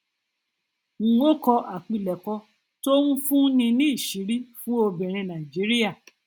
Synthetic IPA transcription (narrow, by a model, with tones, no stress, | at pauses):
ŋ̩̃˧˦o˦kɔ˧ʔa˨k͡pi˨˧lɛ˨kɔ˧ | to˦ũ˦fũ˦nĩ˧nĩ˦i˦˨ʃi˨˦ɾi˦fũ˦o˧bĩ˨ɾ̃ĩ˧nã˨i˨d͡ʒi˨˦ɾi˦ja˦˨